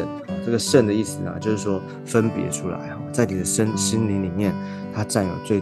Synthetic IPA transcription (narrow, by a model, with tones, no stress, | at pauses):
n˩ʈ͡ʂɤ˥˩ɡə˩ʂə˥˩nd̪ə˩i˥˩s̩˨˩nɐ̰˧t͡ɕjo˥˧ʊʂɻ̩˥˩ʂwɔ˥ | fə˥npjɛ̰˧˥ʈ͡ʂʰu˥la̰˧˥ɪɑ˥˩t͡sa˥˩ɪni˨˩d̪ə˦ʂə˥nɕi˥nli˧˥ŋli˨˩mjɛ˥˩n | t̪ʰa˥ʈ͡ʂa˥˩njo˨˩ʊt͡swe˥˩ɪ